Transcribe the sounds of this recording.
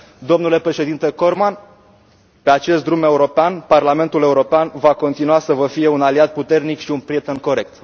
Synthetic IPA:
d̪o̞mnule̞pɾe̞ʃe̞d̪int̪e̞ko̞rman | pe̞at͡ʃe̞st̪̚d̪ɾume̞uɾo̞peanparlame̞nt̪ule̞uɾo̞peanvako̞nt̪inuasəvəfije̞unaliat̪̚put̪e̞rnikʃiunpɾiet̪e̞nko̞ɾe̞k̚t̪

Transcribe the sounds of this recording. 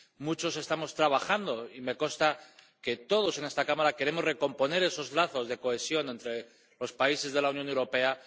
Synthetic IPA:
mut͡ʃo̞se̞st̪amo̞st̪ɾaβ̞axand̪o̞ime̞ko̞nst̪a | ke̞t̪o̞ð̞o̞se̞ne̞st̪akamaɾake̞ɾemo̞zre̞ko̞mpo̞ne̞ɾe̞so̞zlaθo̞zðe̞ko̞e̞sjo̞nẽ̞nt̪ɾe̞ | lo̞spaise̞zðe̞launjo̞newɾo̞pe̞a

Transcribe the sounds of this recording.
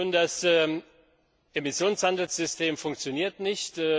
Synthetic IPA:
ʊndas | ʔemɪsjoːnshandl̩sz̥ʏstʰeːmfʊŋk̚t͡sjoniːɐtnɪçtː

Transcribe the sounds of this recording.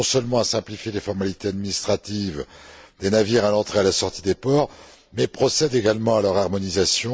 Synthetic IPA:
ɔ̃sœlmɑ̃asɛ̃plifjelefɔʁmalit̪ead̪minist̪χat̪ivd̪̥enaviʁalɑ̃t̪χealasɔʁt̪id̪epɔʁ | mɛpχɔsɛd̪eɡalmɑ̃alœʁaʁmɔnizasjɔ̃

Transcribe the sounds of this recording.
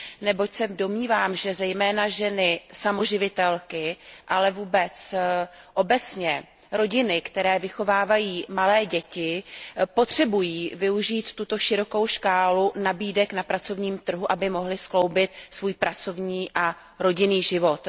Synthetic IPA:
nɛbo̞csɛdo̞mɲiːvaːmʒɛzɛjmɛːnaʒɛnɪsamo̞ʒɪvɪt̪ɛlkɪʔalɛvuːbɛt͡s | ʔo̞bɛt͡sɲɛ | ɾo̞ɟɪnɪkt̪ɛɾɛːvɪxo̞vaːvajiːmalɛːɟɛcɪpo̞t̪r̝̥ɛbujiːvɪuʒiːt̪ːut̪o̞ʃɪɾo̞ko̞wʃkaːlunabiːdɛknapɾat͡so̞vɲiːmt̪r̩ɦuʔabɪmo̞ɦlɪsklo̞wbɪt̪svuːjpɾat͡so̞vɲiːʔa | ɾo̞ɟɪniːʒɪvo̞t̪

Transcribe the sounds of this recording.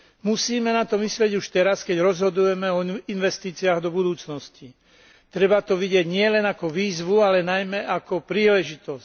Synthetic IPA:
musiːmɛnat̪ɔmislɪɛɟuʃt̪ɛɾaskɛɟɾɔzɦɔd̪ujɛmɛɔinʋɛst̪iːt͡siaːɣd̪ɔbud̪uːt͡snɔsci | t̪ɾɛbat̪ɔʋiɟɪɛɟɲɪɛlɛnakɔʋiːzʋualɛnajmɛʔakɔpɾiːlɛʒit̪ɔsc

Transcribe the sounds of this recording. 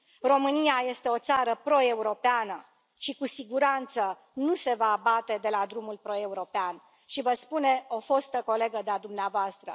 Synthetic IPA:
ro̞mɨniaje̞st̪e̞o̞t̪saɾəpɾo̞e̞uɾo̞peanə | ʃikusiɡuɾant̪sə | nuse̞vaːbat̪e̞d̪e̞lad̪ɾumulpɾo̞e̞uɾo̞pean | ʃivəspune̞o̞fo̞st̪əko̞le̞ɡəd̪ead̪umneavoast̪ɾə̰

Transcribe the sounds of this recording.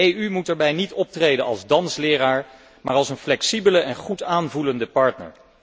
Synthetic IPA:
ejymutɛːɹbɛjnitɔp̚trejdənɑ̰lˠzdɑnslɪːɾaːɹ | maːɹɑlˠsənflɛksibələʔɛnχutaːnvuləndəpɑɹtnə̰ɹ

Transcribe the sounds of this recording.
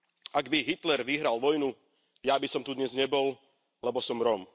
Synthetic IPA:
ʔaɡbiɦit̪lɛɾʋiɦɾalʋɔjnu | jabisɔmt̪ud̪ɲɛzɲɛbɔl | lɛbɔsɔmɾɔm

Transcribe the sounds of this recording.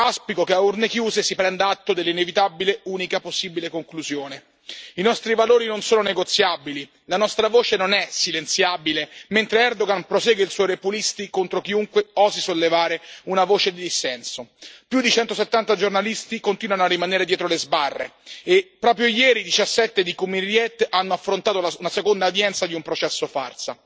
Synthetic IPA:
aspikokeaurnekjuːzesipɾɛnd̪aat̪ːod̪elːinevit̪abileuːnikaposːiːbilekoŋkluzjoːne | inɔst̪ɾivaloːɾinonsoːnoneɡot̪sːjabili | lanɔst̪ɾavoːt͡ʃenonɛsilent̪sjabilement̪ɾeɛrd̪oɡanpɾosɛːɡeilswɔjɾepulist̪ikont̪ɾok̟iuŋkweɔːzisolːevaːɾeunavoːt͡ʃed̪id̪isɛnsopjud̪ːit͡ʃɛnt̪oset̪ːant̪ad͡ʒornalist̪ikont̪iːnwanoarːimaneːɾed̪jɛːt̪ɾolezbarːḛepːɾɔːpɾjojɛːɾid̪it͡ʃasːɛt̪ːed̪ikumirjɛt̪ːanːoafːɾont̪aːt̪olaunasekond̪ad̪jɛnt̪sad̪iumpɾot͡ʃɛsːofa̰rsa̰

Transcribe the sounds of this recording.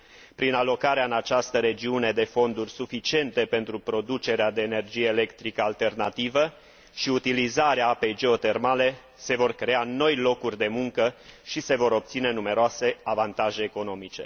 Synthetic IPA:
pɾinalo̞kaɾeaɨnat͡ʃast̪əɾe̞d͡ʒiune̞d̪e̞fo̞nd̪urʲsufit͡ʃie̞nt̪e̞pe̞nt̪ɾupɾo̞d̪ut͡ʃe̞ɾead̪e̞ːne̞rd͡ʒije̞ːle̞kt̪ɾikəalt̪e̞rnat̪ivə | ʃiut̪ilizaɾeaape̞jd͡ʒe̞ot̪e̞rmale̞ | se̞vo̞rkɾe̞ano̞jlo̞kurʲd̪e̞muŋkəʃise̞vo̞ɾo̞p̚t̪sine̞nume̞ɾoase̞avant̪aʒe̞ːko̞no̞mit͡ʃe̞̰

